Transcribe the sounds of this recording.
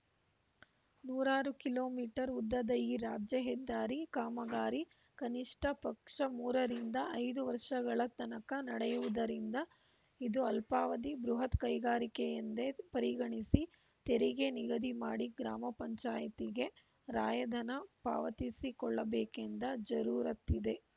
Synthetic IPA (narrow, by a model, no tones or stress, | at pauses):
nuːɾaːɾukilo̞ːmiːʈɐɾud̪ːɐd̪ɐiːɾaːd͡ʒjɐɦɛd̪ːaːɾikaːmɐɡaːɾi | kɐniʂʈʰɐpɐkʂɐmuːɾɐɾind̪ɐʔɐjd̪uʋɐɾʂɐɡɐɭɐt̪ɐnɐkɐnɐɽɛjuʋud̪ɐɾind̪ɐ | id̪uɐlpaːʋɐd̪ibɾuɦɐt̪kɐjɡaːɾikejɐnd̪epɐɾiɡɐɳisi | t̪eɾiɡe̞niɡɐd̪imaːɽiɡɾaːmɐpɐɲt͡ʃaːjɐt̪iɡe̞ | ɾaːjɐd̪ʱɐnɐpa̰ːʋɐt̪isikɔɭːɐbeːkend̪ɐd͡ʒɐɾuːɾɐt̪ːid̪e̞